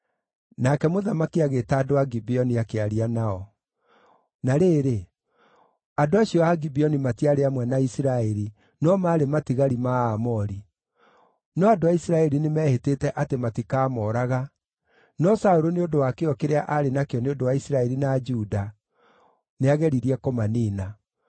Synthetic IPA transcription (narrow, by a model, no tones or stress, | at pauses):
nakɛmoðamakiaɣetaːdoaɡibiɔniakeaɾianaɔ | naɾeːɾe | adoaɕiɔaɡibiɔnimatiaɾeamwɛnaisiɾaɛɾi | nɔmaɾematiɣaɾimaamɔɾi | nɔadoaisiɾaɛɾinemɛhetetɛʔatematikaːmɔɾaɣa | nɔsaoɾoneodowakeɔkeɾeaʔaɾenakeɔneodowaisiɾaɛɾinad͡ʒuːda | neaɣɛɾiɾiɛkɔmaniːna